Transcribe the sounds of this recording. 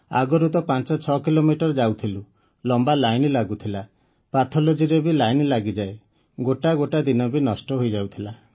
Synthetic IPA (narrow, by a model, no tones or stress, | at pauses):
a̰ɡɔɾut̪ɔpant͡ʃɔt͡ʃʰɔkilomiʈɔɾd͡ʒawt̪ʰilu | lɔmbalajnlaɡut̪ʰila | pat̪ʰɔlod͡ʒiɾebilajnlaɡid͡ʒae | ɡoʈaɡoʈad̪inɔbinɔsʈɔɦojd͡ʒawt̪ʰila